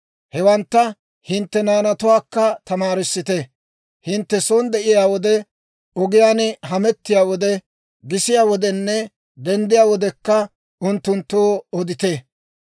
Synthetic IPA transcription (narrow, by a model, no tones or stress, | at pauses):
hɛwɐnt̪ːɐ | hɪnt̪ːɛnaːnɐt̪ʊwaːkːɐt̪ɐmaːɾɪsːɪt̪ɛ | hɪnt̪ːɛsond̪ɛʔɪjaːwɔd̪ɛ | ɔɡɪjaːnɦɐmɛt̪ːɪjaːwɔd̪ɛ | ɡɪsɪjaːwɔd̪ɛnːɛ | d̪ɛnd̪ɪjaːwɔd̪ɛkːɐ | ʊnt̪ːʊnt̪ːoːɔd̪ɪt̪e